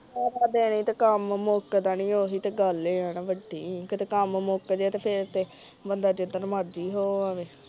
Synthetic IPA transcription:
oːɾaːd̪eːnĩːt̪aːkəmmoːkd̪aːnĩːoːɦiːt̪eːɡəleːənːʋəɖiːkt̪ekəmmoːkd͡ʒ̪et̪eːpʰɪɾt̪eː | bənd̪aːd͡ʒed̪ənməɾd̪iːɦoːaːʋeː

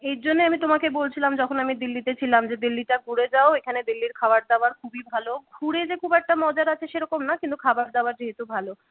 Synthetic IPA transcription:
eɾd͡ʑonːeamit̪omakebolt͡ɕʰilamd͡ʑɔkʰonamid̪ilːit̪et͡ɕʰilamd͡ʑed̪ilːiʈaɡʱuɽed͡ʑaoekʰaned̪ilːiɾkʰabaɾd̪aoaɾkʰubibʱaloɡʱuɽed͡ʑekʰubɛk̚ʈamɔd͡ʑaɾat͡ɕʰeʃeɾɔkomnakint̪ukʰabaɾd̪aoaɾd͡ʑiɦet̪ubʱalo

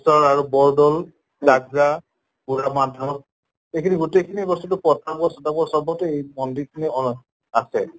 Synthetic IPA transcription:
sɔɹaɹubɔɹdɔl | laɡɹa | ɡuɹamadʱɹɔ | ejkʰiniɡutejkʰiniebɔstɔtʊpɔtakɔsɔtakɔsɔbʱɔtɛejmɔndikʰiniɔ | asʰɛ

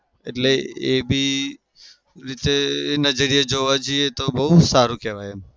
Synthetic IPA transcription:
ḛʈleeːbʱiː | ɾit̪enəd͡ʒəɾijed͡ʒoːʋad͡ʒiet̪obɐut̪saːɾukeʋaje

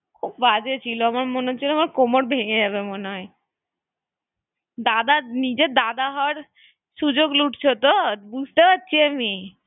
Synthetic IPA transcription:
kʰub̚ːad͡ʑet͡ɕʰiloamaɾmoneot͡ɕʰiloamaɾkomoʈbʱeŋed͡ʑabemoneɦɔe | d̪ad̪anid͡ʑed̪ad̪aɦɔɾ | ʃud͡ʑoɡluʈt͡ɕʰot̪obud͡ʑʱt̪epatːɕʰiami

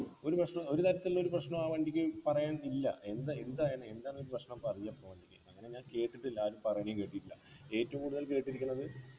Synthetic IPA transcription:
o̞ɾuprɐɕɳɐmo̞ɾut̪ɐɾɐt̪ːilːo̞ɾuprɐɕɳɐmaːʋɐːɳɖikʲːɨpɐrɐjaːnilːɐ̰e̞nd̪aend̪aːjaɳɐend̪aːnoɾuprɐɕɳɐmpɐrɐɲːapːoːʋɐɳɖikʲːɨɐŋːɐne̞ɲaːnke̞ːʈːiʈːelːaːɾumpɐrɐjaːɳejumkeʈːiʈːulːɐe̞ːtːɐʋumkuːɽuðɐlke̞ːʈːiɾikʲːunːɐðɨ

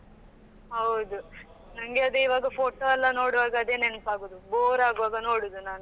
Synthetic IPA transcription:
ɦɐwd̪u | nɐŋɡeɐd̪uiʋaːɡɐpʰoːʈoːɐlːɐno̞ːɽʋaːɡɐɐd̪eːnenpaːɡoːd̪uboːɾaːɡʋaːɡɐnoːɽud̪unaːnu

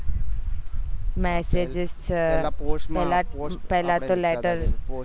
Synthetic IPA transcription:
mɛːsed͡ʒɪst͡ʃ | pɛɦlapɛɦlat̪olɛːʈəɾ

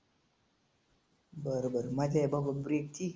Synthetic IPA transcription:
bəɾobəɾmad͡ʑʱabababɾek̚t̪ʰi

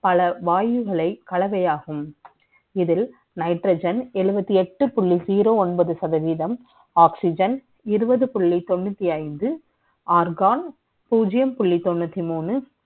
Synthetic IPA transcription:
pɐlɐʋaːjɯɣɐɭɐɪkɐɭɐʋɐjaːɣɯm | ɪðɪl | nɐɪʈɾɐd͡ʒɐnɛɻɯbɐt̪ːiɛʈːɯpʊɭːiziːɾoːɔɳbɐðɯsɐðɐʋiːðɐm | aːksɪd͡ʒɐn | ɪɾɯbɐðɯpʊɭːit̪ɔɳːɯt̪ːiɐɪnd̪ɯ | aːɾɡaːn | puːd͡ʒɪjɐmpʊɭːit̪ːɔɳːɯt̪ːimuːnɯ

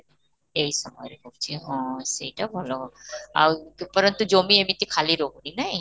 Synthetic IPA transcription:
ejsɔmɔ̰jɾebolt͡ɕʰiɦɔ̃sejʈabʱɔloa̰wpɔɾɔnt̪ud͡ʑomiemit̪ikʰaliɾoɡuninaj

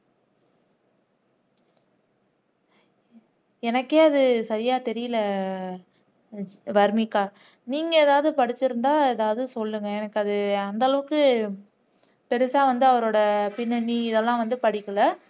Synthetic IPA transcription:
ɛnɐkːeːɐðɯsɐɾɪjaːt̪ɛɾɪjɪlɐ | ʋɐɾmɪkːaː | niːŋɡɐɛðaːʋɐðɯpɐɽɪt͡ʃːɪɾɯnd̪aːɛðaːʋɐðɯsɔlːɯŋɡɐɛnɐkːɯɐðɯɐnd̪ɐlɐʋɯkːɯ | pɛɾɯsaːʋɐnd̪ɯɐʋɐɾoːɽɐpɪnːɐɳːiɪðɛlːãːʋɐnd̪ɯpɐɽɪkːɐlɐ

